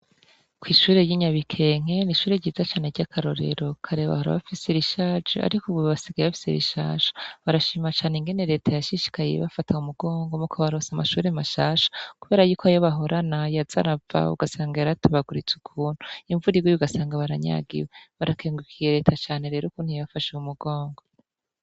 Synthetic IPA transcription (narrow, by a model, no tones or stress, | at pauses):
kwiːʃuːɾe̞jiɲaβikʰe̞ŋ̥e̞niʃuːɾeɟiːzat͡ʃaːneɾɟakʰaɾo̞̰ɾe̞̰ɾo̞kʰaɾe̞βa̰hoɾa̰βafiseɾiʃaːd͡ʒṵʔa̰ɾikuβuββasiɡajeβafi̥sḛɾḭʃa̰ːʃo̥βaɾaʃiːmat͡ʃaːneŋɡe̞ne̞ɾe̞ːtʰajaʃiʃi̥kajḛβafatʰaumuɡo̞ːŋɡomukʰoβaɾo̞samaʃuːɾemaʃaːʃo̥kuβeːɾajuːkʰoajoβaɦo̞ɾʔanajaza̰ɾava̰ṵɡasaːŋɡaɾatuβaɡuɾit͡sukʰuːn̥uiɱvuɾiɡwijuɡasaːŋɡaβaɾaɲa̰ɡḭweβaɾakʰeːŋɡukʰijeɾe̞ːtʰat͡ʃaːne̞ɾe̞ːɾukuːn̥hujaβafaʃuumuɡo̞ːŋɡo̞